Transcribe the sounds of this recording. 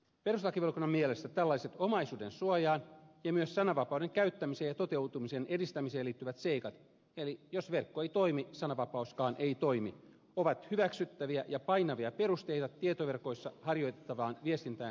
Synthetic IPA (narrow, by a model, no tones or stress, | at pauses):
pe̞ruslɑkiʋelkunːɑmːielest̪æt̪ælːɑiset̪omɑjsuːdensuɑjɑːnjɑmyøssɑnɑʋɑpɑwdeŋkæyt̪ːæmiseːjɑt̪ot̪e̞wt̪umiseːnʔedist̪æmiseːliːt̪ːyʋæt̪seikɑt̪ | elijosʋerkːoeit̪oimisɑnɑʋɑpɑuskɑːnʔeit̪ojmi | oʋɑt̪hyʋæksyt̪ːæʋiæjɑpɑjnɑʋiɑpe̞rust̪ejt̪ɑt̪ːiet̪oʋe̞rko̞jsːɑhɑrjo̞jt̪et̪ːɑʋɑːnʋiest̪int̪æːn